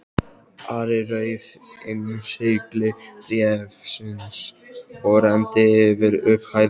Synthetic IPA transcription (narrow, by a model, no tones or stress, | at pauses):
aɾɪɾœɥv | enseklɪrjɛfsɪns | ɔɾɛnt̪ɪvɪɾʏphaj